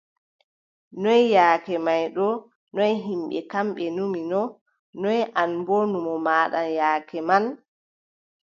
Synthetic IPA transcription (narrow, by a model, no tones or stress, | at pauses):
nɔjjaːkɛmajɗɔ | nɔjɦimɓɛ̰kamɓɛnuminɔ | nɔjʔanbonumɔmaːɗa̰njaːkɛman